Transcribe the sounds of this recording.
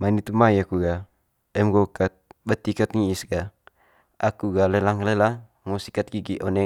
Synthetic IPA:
manit̪umajakuɡa | ɛmɡokat̪̚bət̪ikat̪̚ŋiːsɡa | akuɡalelaŋlela | ŋosikat̪̚ɡiɡiʔɔnɛ

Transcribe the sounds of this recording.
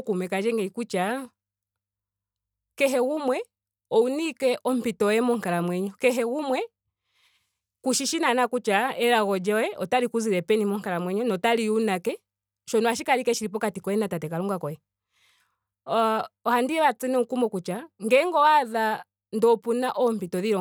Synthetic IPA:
kumɛkad͡ʒɛŋɡɛikut͡ʃa | kɛɦɛɣumwɛ | ɔunikɛʔɔm̩pitɔɛmɔŋ̩kaɾamwɛɲɔkɛɦɛɣumwɛ | kuʃiʃinanakut͡ʃaʔɛɾaɣɔd͡ʒaɛʔɔtalikuziɾɛpɛnimɔŋ̩kaɾamwɛɲɔnɔtaliunakɛ | ʃɔnɔaʃikaɾikɛʃiɾip̬ɔkatikɔɛnatatɛkaluŋɡakɔɛ | ɔhandiɛɾat͡sɛnɛukumɔkut͡ʃaŋɡɛŋɡɔwaða | ndɔpunaʔɔm̩pitɔðiɾɔ

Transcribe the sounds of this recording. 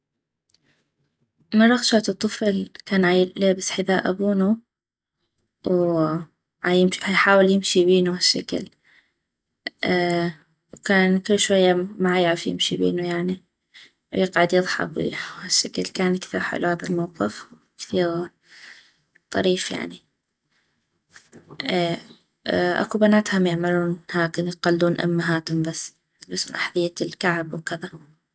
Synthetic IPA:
mɑrˤːɑxʃaʕt̪ɨt̪ˤːɨflkaːnʕajleːbɪsħɪðaːʔʔabuːnu | w | ʕajɪmhajħaːwɪljɪmʃibiːnuhaʃːa̰ka̰l | wkaːnkɪlːʃwajːamaʕajaʕafjɪ̰mʃibḭːnujaʕni | jɪqʕad̪jɨðˤħɑ̰bwḭhaʃːakalkaːnkθiːɾħɪ̰lːuhaːðalmɑwqɨfw | kθiːɾ | t̪ˤɑ̰ɾiːfja̰ʕni | ʔeː | ʔa̰kubanaːt̪hʊmjɪʕmaluːnhaːkɪnjɪqalːuːnʔa̰mːaɦaːt̪ʊmbasː | bɪsnʔaħðˤɪjːalkaʕbwkɪða

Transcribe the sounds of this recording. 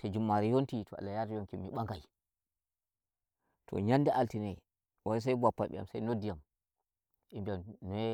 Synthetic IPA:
tad͡ʒumːaɾɛjontitʰɔa̰lːajatijoŋkimːiɓaŋɡaj | tʰɔ̰ɲanːdiʔaltinɛ | waɾis̬ajbapːa̰ɓɛ̰ja̰msajnodːijam | ʔimbijamnɔɛ

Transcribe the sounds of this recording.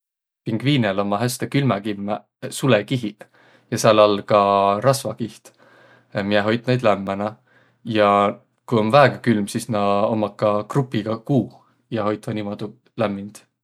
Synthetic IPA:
piŋɡ̥viːnelo̞mɑɦæst̪ekylmækimːæ | sulekiɦi | jɑsɑlːɑlkɑɾɑsvɑkiht̪ | mijeɦo̞jt̪̚ˑnejd̪læmːænɑ | jɑ | kujo̞nvæeɡ̥ɑkylmsisnɑomːɑkːɑkrupːˑiɡ̥ɑkuː | jɑho̞jt̪vɑnimod̪̥u | læmːind̪̥

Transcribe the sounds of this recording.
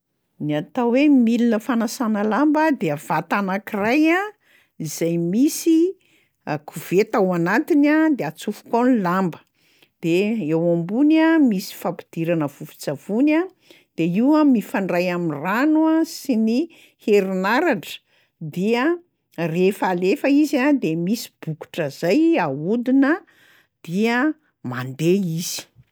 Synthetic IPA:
niat̪awemilinəfanasanəlambəd̪eav̥at̪anakiraja | izajmisi | akʰuvet̪awanat̪inad̪eat͡sufu̥konlambə̥ | d̪̥eewambunamisi̥fapid̪̥iɾanəvufi̥t͡sav̥una | d̪̥eiwamifaɳɖ͡ʐajamiranuasini | heɾinaɾaʈ͡ʂə̥ | d̪iə | refalefəizad̪emisi̥b̥uku̥ʈ͡ʂəzajaud̪inə | d̪̥iə | mand̪eiz̥i̥

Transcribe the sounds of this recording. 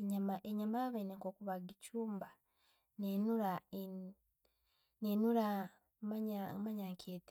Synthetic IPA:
ɲamaʔeɲamaβeneŋkokuβaɡicuːmba | nenuɾa | nenuɾa | maɲamaɲakʰeːte̥

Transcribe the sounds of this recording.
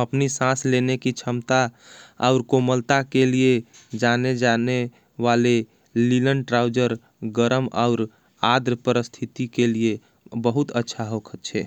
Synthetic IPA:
əpnisãslenekit͡ʃʰəmt̪aa̰ʊɾkoməlt̪akelied͡ʒaned͡ʒane | ʋale | lilənʈɾawd͡ʒəɾ | ɡəɾəma̰ʊɾ | ad̪ɾəpəɾəst̪ʰit̪ikelie | bəɦut̪ətːʃʰaɦokʰət̪̚t͡ʃʰɛ

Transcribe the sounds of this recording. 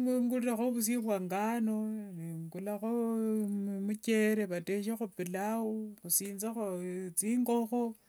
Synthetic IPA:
ŋeŋɡulɾaxoβus̬iβwaŋɡanoniŋɡulaxo | muce̞ɾeβateʃexupilawoxusiːnzaxot͡siːŋɡo̞xo

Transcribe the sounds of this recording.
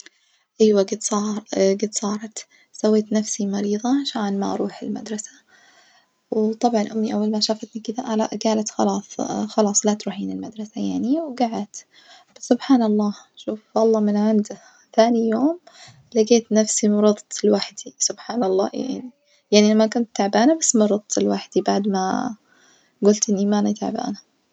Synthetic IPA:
ʔajwaɡɪt̪sˤɑɡɪt̪sˤɑːɾˤɑt̪ | sawːeːt̪nafsimɑɾiːðˤɑʃaʕnma̰ʔɑ̰ɾˤuːħɪlma̰d̪ɾˤɑsḁ | wt̪ˤɑbʕɑnʔʊmːiʔawːalmaʃaːfat̪nikɪd̪aʔala̰ʔɡaːlat̪xɑ̰lɑːsˤxɑlɑːsˤlaːt̪ɾuːħiːnɪlmad̪ɾˤɑsajaʕniwɡaʕat̪ | b̥asːʊbħaːnɑlˤːɑːʃuːfʔɑlˤːɑːmɪnʕand̪a | θaːnijoːm | laɡeːt̪nafsimɑɾˤɑd̪ˤɪlwaħd̪̥isʊbħaːnɑlˤːɑ̰ːja̰ʕni | jaʕnilamːakʊnt̪ːaʕbaːnabasːmɑɾˤɑd̪̚ˤɪlwaħd̪̥ibaʕd̪ma̰ | ɡʊlt̪ʔɪnːimaʔnat̪a̰ʕba̰ːna

